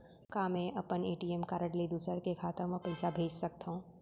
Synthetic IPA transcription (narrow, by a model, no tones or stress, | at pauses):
kaːmẽʔɐpəneːʈiemkaːɾəʈlid̪uːsəɾkekʰaːt̪əɾmə̃pɐjsabʱeːd͡ʒsɐk̚t̪aũː